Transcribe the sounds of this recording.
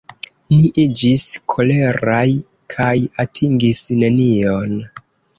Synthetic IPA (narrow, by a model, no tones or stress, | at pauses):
niʔid͡ʒiskʰo̞le̞ɾaj | kʰajatʰiŋɡisne̞nio̞n